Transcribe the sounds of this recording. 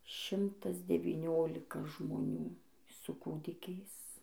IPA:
ˈʃʲɪmtɐs dʲɛʋʲiːˈnʲoːlʲɪkɐ ʒmoːˈnʲuː sʊ ˈkuːdʲɪkʲɛɪs

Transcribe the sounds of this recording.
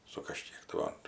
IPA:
sʊ kɐˈʃʲkʲiɛk tɐɪ ˈʋɐ

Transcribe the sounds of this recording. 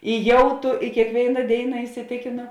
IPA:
ɪ ˈjɛʊ tuː ɪ kʲeːkˈʋʲeːɪnɐ ˈdʲeːɪnɐ ɪsʲɪˈtʲeːkʲeːnoː

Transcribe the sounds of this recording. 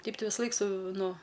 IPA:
ˈtʲɛɪp ˈtɐɪ ʋʲɪsɐˈlˠɐɪk sʊ ˈnʊ

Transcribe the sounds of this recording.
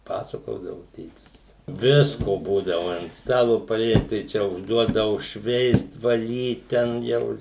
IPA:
ˈpɑːsɐkoːdɐʋʊ ˈtʲeːtʲɪs ˈʋʲɪskoː ˈbuːdɐʋʊ ɐnt ˈstɑːlˠoː pɐˈlʲiɛt tɐɪ ˈt͡ʃʲɛ ʊʒˈduɔdɐʋʊ ˈʃʲʋʲɛɪst ʋɐˈlʲiːt ˌtʲɛn ˈjɛʊ

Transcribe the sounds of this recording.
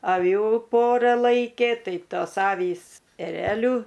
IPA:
ɐˈʋʲuː ˈpoːrɐ ˈlˠɐɪkʲeː ˈtɐɪ ˈtoːs ˈɑːʋʲiːs ɛˈrʲæːlʲʊ

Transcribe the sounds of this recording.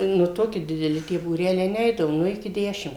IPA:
nʊ ˈtoːkʲɪ dʲɪdʲɛˈlʲɪ tʲiɛ buːˈrʲæːlʲɛɪ ˈnʲɛɪdɐʋoː ˈnʊ ɪkʲɪ ˈdʲæːʃʲɪm

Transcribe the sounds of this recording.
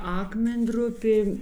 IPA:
ˈɑːkmʲɛnʲˌdrʊpʲeː

